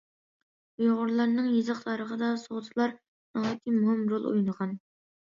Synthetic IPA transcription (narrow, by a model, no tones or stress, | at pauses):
joʁʊɾlˠɑɾnɨŋjezɨqt̪ʰɑɾəʁəd̪ɑsoʁt̪ʰɨlˠɑɾ | nɑɑt̪ʰimuhɪmɾolˠṵjnəʁɑn